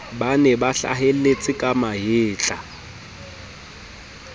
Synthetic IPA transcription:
banɛbaɬa̰ɦel̩et͡sʼɪkʼamaɦɪːt͡ɬʼa

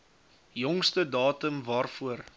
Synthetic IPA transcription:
jɔŋstədɑːtəmvɑːrfuər

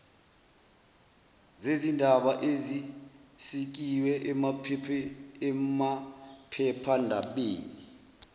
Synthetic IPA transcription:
zezindʱaɓaʔezisik̬iwɛʔ | ɛmapʰɛpʰandʱaɓeːni

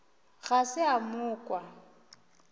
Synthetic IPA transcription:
ɣasɪamʊːkʼwa

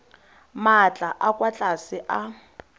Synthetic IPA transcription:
mat͡ɬʼaʔakʼwat͡ɬʼasɪʔa

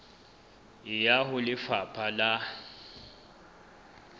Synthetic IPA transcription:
ɪjahʊlɪfapʰala

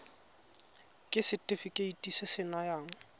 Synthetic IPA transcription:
kʼɪsɪtʼɪfikʼeitʼisɪsɪnajaːŋ̩

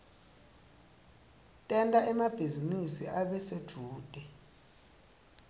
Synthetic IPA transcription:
tʼɛntʼaʔɛmab̥ʱizinisiʔaɓɛsed̥ʱuːd̥ʱɛ

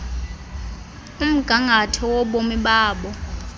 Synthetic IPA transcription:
um̩ɡ̥ʱaŋʱatʰɔwɔɓomiɓaːɓɔ

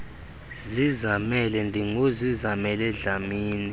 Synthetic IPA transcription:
zizamɛlɛndʱiŋozizamɛlɛɮamiːni

